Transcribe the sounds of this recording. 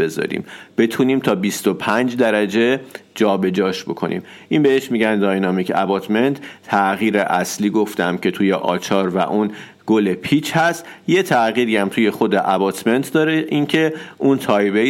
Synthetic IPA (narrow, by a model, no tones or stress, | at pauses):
be̞zɒ̰ɾḭːmb̥e̞t̪ʰuːniːmt̪ʰɒːbist̪opʰænd͡ʒd̪æɾæd͡ʒe̞d͡ʒɒːbe̞d͡ʒɒːʃbo̞kʰo̞̰nʔḭːm | ʔinbeeʃmiɟænd̪ɒːjnɒmicʰæ̰bɒːt̪ʰme̞nt̪ʰːæɣiːɾeʔæsliːɡo̞ft̪æmcʰe̞t̪ʰujeʔɒ̰ːt͡ʃʰɒːɾvæ̰ʔun | ɡ̥olepʰit͡ʃhæst̪je̞t̪ʰæɣiːɾiæmt̪ʰuːje̞xo̞d̪eʔæbɒt̪me̞nt̪ʰd̪ɒːɾeʔincʰe̞ʔunt̪ʰɒːjbe